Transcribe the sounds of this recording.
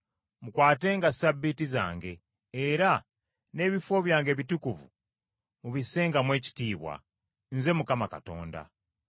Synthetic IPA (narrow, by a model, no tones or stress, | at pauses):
mukwaːte̞ːŋɡasabːitiza̰ːŋɡe̞ː | ɾa | ne̞ːβifo̞βjaːŋɡe̞ːβitukuvṵ | muβise̞ːŋɡamwe̞ːci̥tiːβwa̰ | nze̞mukamaka̰to̞̰ːnda̰